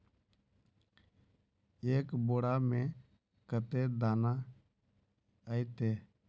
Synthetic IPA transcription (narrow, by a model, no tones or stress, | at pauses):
eːkboːɽamẽ | kət̪ed̪aːna | əit̪eː